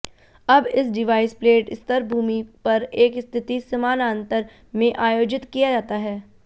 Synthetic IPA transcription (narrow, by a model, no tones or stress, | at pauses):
ɐbɪsɖɪʋaːɪspleːʈɪst̪əɾbʱuːmipɐɾeːkɪst̪ʰɪt̪isɐmaːnaːnt̪əɾ | mẽʔaːjoːd͡ʒɪt̪kijad͡ʒaːt̪aɦɛː